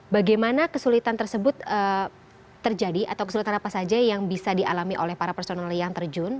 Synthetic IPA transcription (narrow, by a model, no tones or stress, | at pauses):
baɡajmanakəsulit̪ant̪ərsəbʊt̪əː | ərd͡ʒadiʔat̪awkəsulit̪anapasad͡ʒajaŋbisadialamiʔo̰lɛhpaɾapɛrsonaljaŋt̪ərd͡ʒʊn